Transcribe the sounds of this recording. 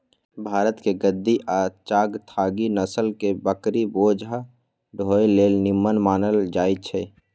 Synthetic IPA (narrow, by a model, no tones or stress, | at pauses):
bʱaːɾət̪keɡəd̪ːiʔat͡ʃaːɡt̪ʰaːɡinəsəlkebəkɾiboːd͡ʒʱ | ɖʱoːjleːlnɪmːənmaːnəld͡ʒaːit͡ʃʰɛ